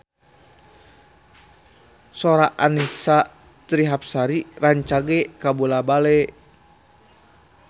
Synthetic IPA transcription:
soɾaʔanisa | t̪ɾiɦap̚saɾiraɲt͡ʃaɡɛkabulabalɛ

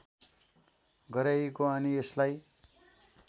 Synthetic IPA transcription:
ɡʌɾajkoʌnieslaj

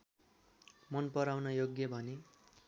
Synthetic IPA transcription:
mʌnpʌɾawnʌjoɡjʌbʱʌne

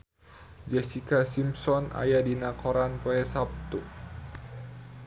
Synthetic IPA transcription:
d͡ʒɛsikasimsɔna̰jadinakɔɾanpoɛsap̚t̪u

